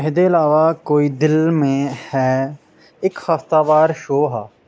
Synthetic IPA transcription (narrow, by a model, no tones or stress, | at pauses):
ɦd̪eːɪlaːʋaːkoːiːd̪ɪlmẽːhɛː | ɪkhəft̪aːbaːɾʃoːɦaː